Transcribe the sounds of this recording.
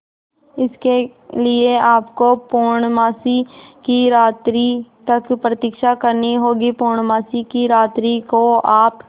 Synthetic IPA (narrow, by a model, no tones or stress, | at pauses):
ɪske | lieaːpkopoːɾɳmaːsikiɾaːt̪ɾit̪ɐkpɾət̪ɪkʃakɐɾniɦoːɡipuːɾɳ̃maːsikiɾaːt̪ɾikoaːp